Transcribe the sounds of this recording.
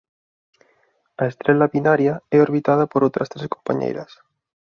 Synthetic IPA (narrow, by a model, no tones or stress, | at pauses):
aest̪ɾelaβinaɾjaeo̞ɾβit̪að̞apoɾowt̪ɾast̪ɾeskompaɲḛjɾas